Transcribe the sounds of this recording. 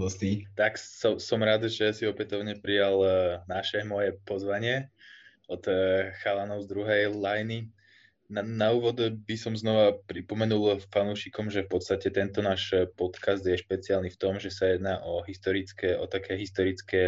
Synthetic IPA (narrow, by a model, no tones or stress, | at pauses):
ɔst̪it̪aksɔsɔmɾad̪ʒɛjasiɔpɛt̪ɔʊɲɛpɾijalnaʃɛmɔjɛpɔzʋaɲɪɛ | ɔt̪xalanɔʊzd̪ɾuɦɛjlajni | nanauːʋɔd̪bisɔmznɔʋapɾipɔmɛnulˠfanuːʃikɔmʒɛfpɔt̪t͡st̪acɛt̪ɛnt̪ɔnaːʃpɔt̪kazd̪jɛʃpɛt͡sialnift̪ɔmʒɛsajɛd̪naːʔɔɦist̪ɔɾit͡skɛːʔɔt̪akʰɛːɦist̪ɔɾit͡skɛː